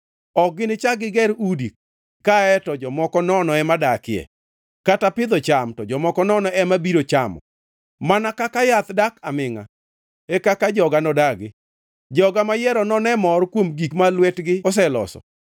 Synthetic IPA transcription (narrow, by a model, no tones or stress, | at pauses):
ɔɡɪnɪt͡ʃaɡɪɡɛɾudikː | aɛtɔd͡ʒɔmɔkɔnɔnɔɛmadakɪɛ̰ | katapɪd̪ɔt͡ʃamtɔd͡ʒɔmɔkɔnɔnɔɛmabiɾot͡ʃamɔ̰ | manakakajat̪dakamɪŋa̰ | ɛkakad͡ʒɔɡanɔdaɡɪ | d͡ʒɔɡamajɛɾɔnɔnɛmɔɾkwomɡikmalwɛtɡɪɔs̬ɛlɔ̰sɔ̰